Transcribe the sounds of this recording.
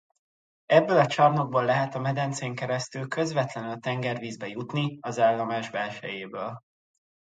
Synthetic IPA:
ɛbːølɒt͡ʃɒrno̞ɡ̚boːlːɛɦɛt̪ɒmɛd̪ɛnt̪seːŋkɛɾɛst̪ylkø̞zvɛt̪lɛnylt̪ɛŋɡɛrviːzbɛjut̪niɒzaːlːɒmaːʒbɛlʃɛ̰jeːbøːl

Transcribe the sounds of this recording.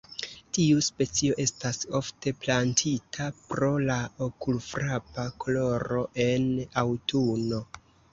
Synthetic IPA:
tiuspe̞t͡sio̞ʔe̞staso̞fte̞plantʰitʰapɾo̞laokulfɾapakolo̞ɾo̞ʔe̞nawtʰuno̞

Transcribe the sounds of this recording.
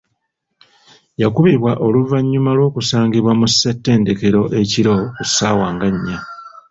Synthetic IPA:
jakuβiβwaʔo̞luvaɲːumalwo̞ːkusaːŋɡiβwamusːetːe̞ːnde̞ke̞ɾo̞ʔe̞ciɾo̞kusaːwaːŋɡaɲːa

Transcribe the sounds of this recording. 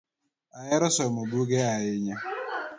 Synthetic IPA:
ajɛɾɔsɔmobuɡɛajɪɲa

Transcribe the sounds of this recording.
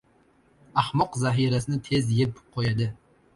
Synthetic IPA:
ahmɒqzaɦiɾasɪnɪt̪ʰe̞zjepqʰojad̪ɪ

